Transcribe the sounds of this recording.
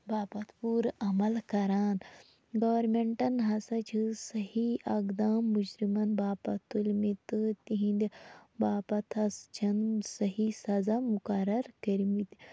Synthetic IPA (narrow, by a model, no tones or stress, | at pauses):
baːpɐt̪puɾɐmɐlkɐɾaːn | ɡɐʋɐɾmeɳʈɐnɦɐsɐt͡ʃʰisɐhiɐɡd̪aːmːud͡ʒɾimɐnbaːpɐt̪ulʲmit̪ɨt̪iɦĩnd̪ibaːpɐt̪ʰɐst͡ʃʰɐnsɐɦisɐzamukɐɾɐɾkɐɾmit̪